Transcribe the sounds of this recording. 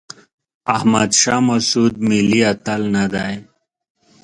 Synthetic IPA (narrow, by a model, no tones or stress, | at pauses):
ɐhmad̪ʃaːmɐsuːd̪̚miliɐt̪alnad̪aj